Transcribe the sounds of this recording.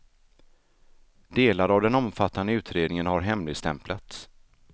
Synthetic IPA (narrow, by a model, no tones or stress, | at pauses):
d̪̥eːlaɾavd̪ɛnɔmfat̪ːand̪əʉ̟ːt̪ɾeːd̪nɪŋənɦaɾɦɛmlɪɡst̪ɛmplat̪s